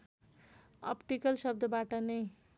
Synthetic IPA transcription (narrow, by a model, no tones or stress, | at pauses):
ʌ̰pʈikʌlsʌbd̪ʱʌbaʈʌnʌj